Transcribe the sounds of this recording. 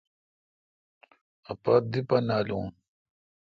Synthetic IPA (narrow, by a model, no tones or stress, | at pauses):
ɐpad̪ipɐnaːlũː